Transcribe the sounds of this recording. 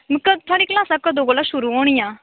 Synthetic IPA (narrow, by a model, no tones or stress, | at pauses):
məkkat̪ʰaɽiːklasakad̪oɡolaɕuɾuoɳ̃ija